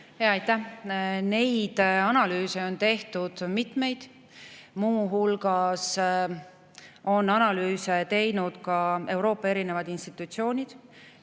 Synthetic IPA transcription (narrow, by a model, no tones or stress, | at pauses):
heɑɑjt̪ːæhne̞jd̪̥ɑnɑlyːseo̞nt̪e̞ht̪ud̪̥mit̪me̞jd̪̥ | muːɦulɡ̥ɑs | o̞nɑnɑlyːset̪e̞jnud̪̥kɑe̞wɾo̞ːpːˑɑe̞ɾine̞vɑd̪̥inst̪it̪ːˑut̪sio̞ːnʲid̪̥